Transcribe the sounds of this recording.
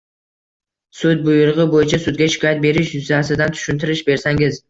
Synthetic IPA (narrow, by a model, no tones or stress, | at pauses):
sʊt̪̚bʊjʊɾʁɨbojɪt͡ʃʰasʊd̪̚ɡʲaʃɪ̥kʰɒjat̪̚be̞ɾɪʃjʊzasɪd̪ant̪ʰʊ̥ʃʊnt̪ʰɪɾɪʃbe̞ɾsaŋɪz